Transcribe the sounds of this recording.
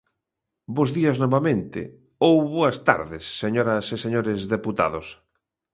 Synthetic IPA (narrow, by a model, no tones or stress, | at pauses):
bozðiɐznɔβamẽnt̪ɪ̰ | owβoɐst̪a̰ɾðɪsːeɲoɾɐseseɲoɾɪzðeput̪a̰ðʊs